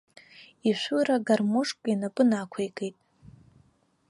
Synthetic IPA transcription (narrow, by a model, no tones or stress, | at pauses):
iʃʷuɾaɡarmʊʂkʼinapʼɨnakʷʰejkʼejtʼ